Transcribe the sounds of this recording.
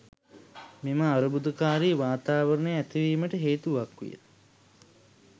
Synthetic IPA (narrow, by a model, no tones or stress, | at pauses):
miməaɾubud̪əkaːɾiːʋaːt̪aːʋəɾəɳəjæt̪iʋiːməʈəɦeːt̪uʋakʋḭjə̰t̪